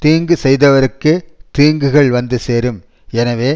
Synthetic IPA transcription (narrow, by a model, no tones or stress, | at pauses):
t̪iːŋɡɯsɛjðɐʋɐɾɯkːɯt̪iːŋɡɯɣɐɭʋɐnd̪ɯseːɾɯm | ɛnɐʋeː